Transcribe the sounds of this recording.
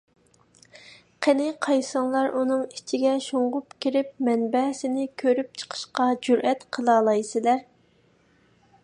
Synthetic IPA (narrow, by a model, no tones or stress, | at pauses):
qʰenɪqʰɑjsɑŋlˠɑɾʔunɨŋit͡ʃʰiɡʲɛʃoɴʁʊpkʲʰiɾɪp̚mɛnbɛsɪnɪkʲʰøɾyp̚t͡ʃʰə̥qʰə̥ʃqɑd͡ʒuɾʔɛt̪qʰəlˠɑːlˠɑjsɪlæɾ